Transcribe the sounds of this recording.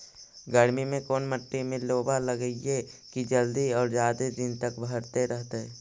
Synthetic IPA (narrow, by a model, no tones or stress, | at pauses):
ɡəɾmimẽkoːnməʈːimẽloːbaləɡəiekid͡ʒəld̪iɔːɾzjaːd̪ed̪ɪnt̪əkbʱəɾt̪eɾəɦt̪eɛː